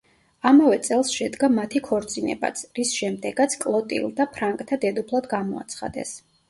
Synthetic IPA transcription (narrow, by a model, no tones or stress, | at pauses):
amavɛt̪sʼɛlˠsʃɛd̪ɡamat̪ʰikʰɔɾt̪sʼinɛ̰ba̰t̪sʰɾisʃɛmd̪ɛɡat̪sʰkʼlˠɔt̪ʼḭlˠd̪apʰɾaŋkʼt̪ʰad̪ɛd̪upʰlˠad̪ɡamɔa̰t̪sʰχa̰d̪ɛ̰s